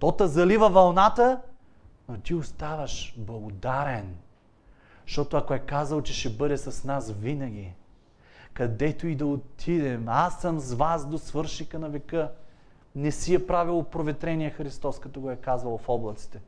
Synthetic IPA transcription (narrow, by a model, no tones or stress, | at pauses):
t̪ɔt̪ɐzɐlivəvɐlˠnat̪ə | not̪iost̪avɐʃblˠɐɡod̪aɾɛn | ʃt̪ɔt̪oɐkoɛkazɐlˠt͡ʃɛʃɛbɤd̪ɛsɐsnasvinɐɡ̟ʲi | kɐd̪ɛt̪oid̪ɐot̪ʰid̪ɛmasːɐmzvasd̪osvɤɾʃnikənɐvɛkɤ | nɛsiɛpɾavilˠopɾovɛt̪ɾɛnijɛxɾist̪ɔskɐt̪ɔɡoɛkazvɐlˠfɔblˠɐt̪si̥t̪ɛ